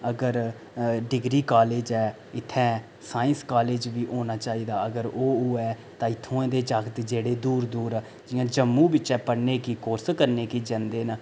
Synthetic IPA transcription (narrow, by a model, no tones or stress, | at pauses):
əɡəɾ | ɖɪɡɾiːkaːleːd͡ʒɛː | ɪt̪ʰːɛ̃ː | saːɪ̃nskaːleːd͡ʒʋiːʔoːnaːt͡ʃaːiːd̪aːəɡəɾoːoːɛː | t̪ãːɪt̪ʰːõːẽːd̪eːd͡ʒəkt̪d͡ʒeːɽeːd̪uːɾd̪uːɾ | d͡ʒɪjãːd͡ʒəmːũːbɪt͡ʃɛːpəɽneːkiːkoːɾskəɾneːkiːd͡ʒə̃nd̪eːnə